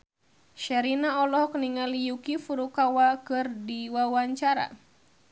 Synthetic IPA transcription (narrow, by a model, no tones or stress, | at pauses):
ʃɛɾinaɔlɔhkniŋalijukifuɾukawakɨrdiwawaɲt͡ʃaɾa̰